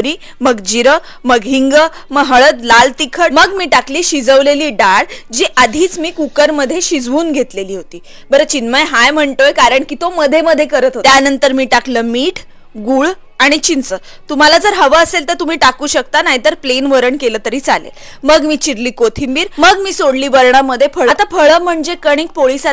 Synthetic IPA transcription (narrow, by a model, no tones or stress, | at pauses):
ɾiː | məɡd͡ʑiɾə | məɡɦiŋɡə | məɡɦəɭət̪lalt̪ikʰəməɡmiːʈakliːɕid͡zəʋleliːɖaɽd͡ʑiːʔad̪ʱiːt͡smiːkukəɾməd̪ʱːjeɕid͡zʋuːnɡʱet̪leliːɦot̪iː | bəɾət͡ɕinməjɦajm̤əɳt̪ojkaɾəɳkiːt̪oməd̪ʱːeməd̪ʱːjekəɾət̪ɦot̪janənt̪əɾmiːʈakləmiːʈʰ | ɡuːɭ | aɽ̃it͡ɕint͡sə | t̪um̤alad͡zəɾɦəʋəːselt̪əɾt̪um̤iːʈakuːɕək̚t̪anaɦit̪əɾplenʋəɾəɳkeləːt̪əɾiːt͡salḛl | məɡmiːt͡ɕiɾliːkot̪ʰimbiːɾməɡmiːsoɽliːʋəɾɳ̃aməd̪ʱːjefʰəɭəat̪afʰəɭəːm̤əɳd͡zekəɽ̃iːk̚poɭisa